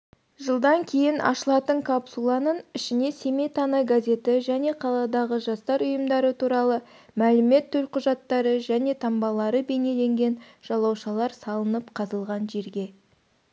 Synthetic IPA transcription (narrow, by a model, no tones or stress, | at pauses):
ʒəlˠd̪ɑŋkʲʰe̞jɪnʔɑ̰ʃəlˠɑt̪əɴkʰapsulˠɑnənɪʃɪne̞sʲe̞me̞jt̪ʰɑnɑjɡazʲe̞t̪ɪʒæne̞qʰɑlˠɑd̪ɑʁəʒɑst̪ɑɾʊjəmd̪ɑɾət̪ʰuɾɑlˠə | mælɪme̞t̪ʰːɵlqʰʊʒɑt̪ːɑɾəʒæne̞t̪ʰɑmbɑlˠɑɾəbe̞ne̞le̞ŋɡʲe̞n | ʒ̥ɑlˠɑwʃɑlˠɑɾsɑlˠənəpqʰɑzəlˠʁɑnʒe̞ɾɡʲe̞